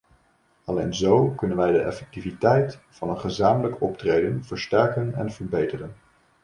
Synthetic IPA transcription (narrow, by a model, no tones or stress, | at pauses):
ɑlejnzowkɵnənʋɛjdəʔɛ̰fɛk̚tivitɛjtfɑnənχəzaːmələkɔp̚trejdənv̥əɹstɛɹkənɛ̰nvəɹbejtərən